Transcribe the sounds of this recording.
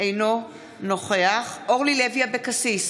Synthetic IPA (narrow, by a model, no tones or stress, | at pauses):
ejno̞ | no̞χeaχʔoʁlileviabekasis